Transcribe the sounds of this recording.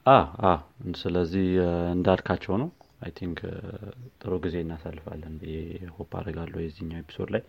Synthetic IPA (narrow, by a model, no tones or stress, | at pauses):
ʔaawsɨləzːihɨnd̪alkʰat͡ʃːɛwnəwajt̪ʰiŋkʰ | t̪ʼɨɾoɡize̞ɨnːasalːɨfa̰lːənjɛhopʰa̰d̪əɡalːəjɛzːihɨɲːawepʰi̥sod̪laj